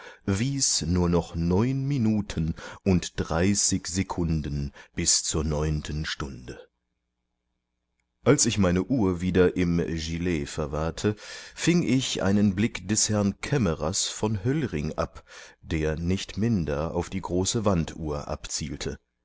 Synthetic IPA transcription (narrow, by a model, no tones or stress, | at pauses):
viːsnuːɐnɔχnɔʏnminuːtʰənʔʊntd̥ʁaɪseɪçz̥ekʰʊndənb̥ɪst͡suːɐnɔʏntʰənʃtʊndə | ʔalsɪçmaɪnəʔuːɐviːdɐʔɪmʒilɛːfɛɐvaɐtʰəfɪŋɪçʔa̰ɪnənblɪkd̥ɛshɛɐnkʰɛməʁasfɔnɦœlʁɪŋʔa̰pd̥eːɐnɪçtmɪndɐa̰ʊfd̥iːɡʁoːsəvantʔṵːɐʔa̰pt͡siːltʰə